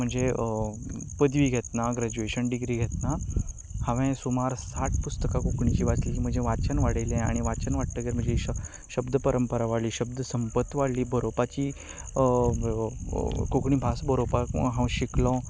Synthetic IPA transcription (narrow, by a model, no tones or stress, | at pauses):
m̤əɳd͡ze | pəd̪ʋiːɡʱet̪naɡɾad͡ʑueɕənɖiɡɾiːɡʱet̪na | hãʋɛ̃sumaɾsaʈ̚ʰpust̪əkakokɳit͡ɕiːʋat͡sliːkiːm̤əɳd͡zeʋat̪t͡ɕənʋaɽəjlẽa̰ɽ̃iʋat͡ɕənʋaɽ̚t̪əɡeɾm̤əɳd͡zei | ɕəbd̪əpəɾəmpəɾaʋaɽliːɕəb̚d̪əsəmpət̪ʋaɽliːbʱəɾopat͡ɕiː | kokɳiːbʱasbʱəɾopaɦãwɕiklɔ̃